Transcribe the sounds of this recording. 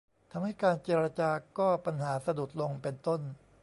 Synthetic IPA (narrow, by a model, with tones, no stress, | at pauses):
t̪ʰa˧mha˥˩jkaː˧nt͡ɕeː˧ɾa˧t͡ɕaː˧kɔː˥˩pa˧nɦaː˩˦sa˧du˨˩t̪̚lo˧ŋpe˧nt̪o˥˩n